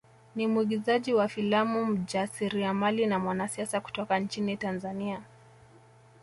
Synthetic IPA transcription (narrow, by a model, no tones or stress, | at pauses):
nimuiɠizaʄiwafilamum̩d͡ʒasiɾiamalinamwanasiasaku̥tɔkant͡ʃinitanzania